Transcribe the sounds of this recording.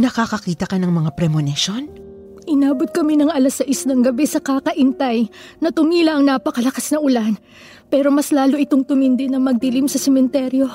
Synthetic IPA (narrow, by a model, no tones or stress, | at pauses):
nɐkakɐkiːt̪ɐkɐnɐŋmɐŋapɾɛmonɪʃon | ʔɪnaːbot̪̚kɐminɐŋɐlɐsɐʔisnɐŋɡɐbɛsɐkakɐʔɪnt̪ajnɐt̪ʊŋiːlɐʔɐŋnaːpɐkɐlɐkasnɐʔʊlan | pɛːɾo̞mɐslaːloʔɪt̪oŋt̪ʊmɪnd̪ɪnɐŋmɐɡ̚t̪ɪlimsɐsɛmɛnt̪ɛɾjo̞